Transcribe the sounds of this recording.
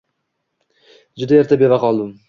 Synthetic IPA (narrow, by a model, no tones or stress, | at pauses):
d͡ʒʊd̪ajeɾt̪ʰabevaqɒlˠd̪ɪm